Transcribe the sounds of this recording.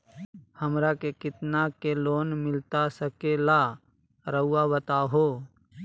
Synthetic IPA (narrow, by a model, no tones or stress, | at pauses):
həmɾakekɪt̪nakeloːnmɪlt̪asəkelaː | ɾəuːabət̪aːɦoː